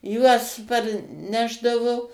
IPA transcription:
ˈjuɔs pɐrʲˈnʲæːʒdɐʋʊ

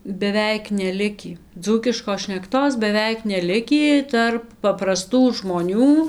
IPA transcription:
bʲɛˈʋʲɛɪk nʲɛˈlʲɪkʲiː ˈd͡zuːkʲɪʃkoːs ʃʲnʲɛkˈtoːs bʲɛˈʋʲɛɪk nʲɛˈlʲɪkʲiː ˈtɐrp pɐprɐˈstuː ʒmoːˈnʲuː

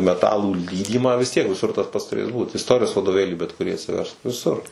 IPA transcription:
mʲɛˈtɑːlˠuː ˈlʲiːdʲiːmɑː ʋʲɪs ˈtʲiɛk ʋʲɪˈsʊr tɐs ˈpɐts tʊˈrʲeːs ˈbuːt ɪsˈtoːrʲɪjoːs ʋɐdoːˈʋʲeːlʲiː bʲɛt kʊˈrʲiː ɐtʲsʲɪˈʋʲɛrsk ʋʲɪˈsʊr

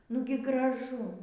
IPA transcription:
ˈnʊɡʲɪ ɡrɐˈʒʊ

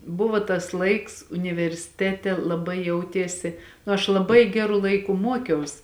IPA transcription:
ˈbʊʋoː tɐs ˈlˠɐɪks ʊnʲɪʋʲɛrʲsʲɪˈtʲæːtʲɛ lˠɐˈbɐɪ ˈjɛʊtʲiɛsʲɪ ɐʃ lˠɐˈbɐɪ ˈɡʲæːrʊ ˈlˠɐɪkʊ ˈmuɔkʲɛʊs

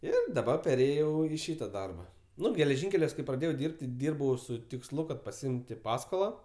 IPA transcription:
ˈɪr dɐˈbɐr pʲɛrʲˈeːjɛʊ ɪ ˈʃʲiːtɐ ˈdɐrbɐ ˈnʊ ɡʲɛlʲɛˈʒʲɪŋʲkʲɛlʲuɔs kɐɪ prɐˈdʲeːjɛʊ ˈdʲɪrʲpʲtʲ tʲɪ ˈdʲiːrbɐʊ sʊ tʲɪksˈlˠʊ kɐt pɐsʲɪˈɪmʲtʲɪ ˈpɑːskoːlˠɐ

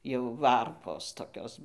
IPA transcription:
jɛʊ ˈʋɐrpoːs toːˈkʲoːs

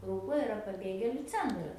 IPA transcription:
ˈrʊklˠoːj ɪˈrɐ pɐˈbʲeːɡʲeːlʲʊ ˈt͡sʲɛntrɐs

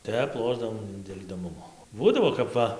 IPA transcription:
ˈtʲɛp ˈlˠoːʒdɐʋoːm dʲeːlʲ ɪdoːˈmʊmoː ˈbuːdɐʋoː kɐp ˈʋɐ

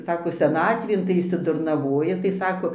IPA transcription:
ˈsɑːkoː sʲɛˈnɑːtʲʋʲeːn tɐɪ ɪʃʲsʲɪdʊrnɐˈʋoːjɛ tɐɪ ˈsɑːkoː

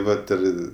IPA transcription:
ˈʋɐt ɪr

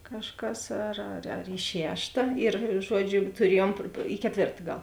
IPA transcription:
kɐʃˈkɐs ɐr ɐr ɐr ɪ ˈʃʲæːʃtɐ ɪr ˈʒuɔd͡ʒʲʊ ɪr tʊˈrʲiɛjuɔm ɪ kʲɛˈtʲʋʲeːrtɐ ˈɡɐlˠ

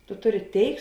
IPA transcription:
tʊ ˈtʊˌrʲɪ ˈtʲeːɪk

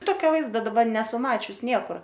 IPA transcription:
ˈtoːkʲoː ˈʋɐɪzdɐ dɐˈbɐ ˈnʲæːsʊ ˈmɑːt͡ʃʲʊs ˈnʲiɛkʊr

